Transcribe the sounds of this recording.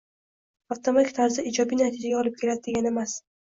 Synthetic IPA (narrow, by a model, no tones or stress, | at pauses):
aft̪ʰomakʲt̪ʰaɾzɪid͡ʒɒbijnat̪ʰɪd͡ʒaɡʲaɒlˠɪp̚kʲʰe̞ɾad̪ɪd̪e̞ɡʲane̞mas